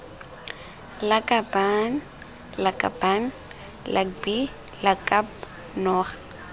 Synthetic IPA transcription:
lakʼaban | lakʼa̰ban | lʔabi | lakʼap | nɔːχḁ

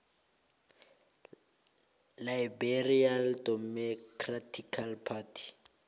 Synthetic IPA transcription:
laibɛrialdɔmɔkʰratʰikʰalpʰatʰi̥

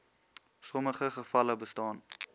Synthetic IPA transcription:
sɔməχəχəfɐləbəstɑːn

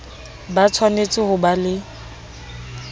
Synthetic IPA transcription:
bat͡sʰwanet͡sʼɪhʊbalɪ

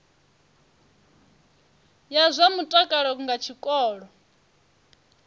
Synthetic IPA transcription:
jazʷamutʼakʼaɺɔŋɡat͡ʃʰikʼɔːɺɔ

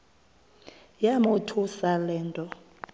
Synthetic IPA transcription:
jamʊtʰusalɛːntʼɔ

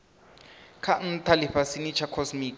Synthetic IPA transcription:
kʰan̩tʰaliɸasinit͡ʃʰakʰosmiːk

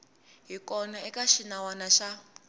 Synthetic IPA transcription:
ɦikɔnaɛkaʃinawanaʃa

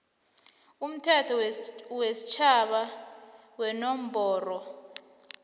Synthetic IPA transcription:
um̩tʰɛtʰɔwesi̥t͡ʃʰaɓa | wɛnom̩bʱɔːrɔ

